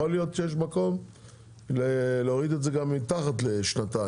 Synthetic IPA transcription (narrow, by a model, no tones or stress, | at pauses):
olijo̞t̪ʃejeʃ̬mako̞m | leleoʁid̪etzeɡamːitaχatleʃnata